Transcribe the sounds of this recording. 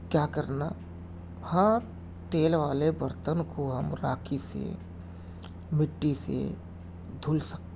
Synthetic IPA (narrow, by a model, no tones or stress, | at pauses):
kjaːkəɾna | hãː | t̪eːlʋaːlebəɾt̪ənkoɦɐmɾaːkʰisḛ | mɪʈːisḛ | d̪ʱʊlsək̚t̪e